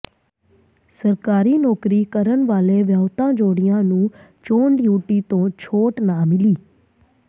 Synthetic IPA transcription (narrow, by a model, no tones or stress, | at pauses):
səɾkaːɾinɔːkɾikəɾənʋaːleʋjaːʋt̪ãːd͡ʒoːɽijãnũː | t͡ʃoːɳɖjuːʈit̪õt͡ʃʰoːʈnãːmɪliː